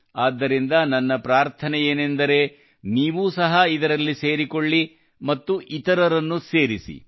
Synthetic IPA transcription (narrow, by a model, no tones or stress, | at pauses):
aːd̪ːɐɾind̪ɐnɐnːɐpɾaːɾt̪ʰɐnɛjeːnend̪ɐɾe̞ | niːʋuːsɐɦɐid̪ɐɾɐlːise̞ːɾikoɭːi | mɐt̪ːuʔit̪ɐɾɐɾɐnːuse̞ːɾisḭ